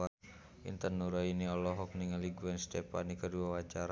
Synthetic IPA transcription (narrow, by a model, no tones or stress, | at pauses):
a | ḭnt̪ənuɾainiɔlɔɦɔk̚niŋaliɡuɛnst̪ɛpa̰nikəduawat͡ʃaɾa